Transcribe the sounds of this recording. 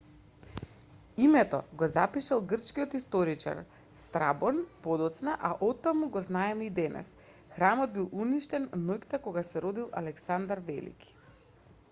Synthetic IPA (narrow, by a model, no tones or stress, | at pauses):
imɛt̪ɔ̰ɡɔzapiʃalˠɡr̩t͡ʃkiɔt̪ist̪ɔɾit͡ʃa̰ɾ | st̪ɾabɔnpɔd̪ɔt̪snaʔaʔɔt̪ːamuɡɔznaɛmɛid̪ɛnɛ̰s | xɾamɔd̪̚bilˠuniʃt̪ɛnnojkt̪akɔɡasɛɾɔd̪ilˠa̰lɛksand̪aɾvɛ̰lḭki̥